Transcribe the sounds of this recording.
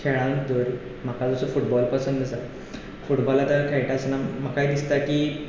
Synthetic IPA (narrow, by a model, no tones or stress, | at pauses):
kʰeɭãd̪əɾ | m̤akad͡zɔsəfuʈbɔlpəsənd̪əd͡za | fuʈbɔlat̪akʰejʈaəsnam̤əkajd̪ist̪akiː